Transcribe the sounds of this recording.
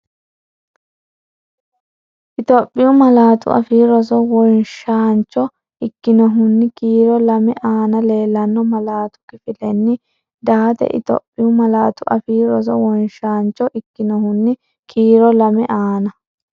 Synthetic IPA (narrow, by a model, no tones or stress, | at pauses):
ʔɪt̪ɔpʼːɪjʊmɐlaːt̪ʊ̰ʔɐ̰fiːɾɔsɔwɔjʃaːnt͡ʃːɔ | ɪkːɪnɔɦʊnːɪkiːɾɔlɐmɛʔaːnɐle̞ːlːɐnːɔmɐlaːt̪ʊ̥kɪfɪlɛnːɪ | d̪aːt̪ɛ̰ʔɪ̰t̪ɔ̰pʼːɪjʊmɐlaːt̪ʊʔɐfiːɾɔs̬ɔ̰wɔjʃaːnt͡ʃːɔʔɪkːɪnɔhʊnːɪ | kʰiːɾɔlɐmɛʔaːnɐ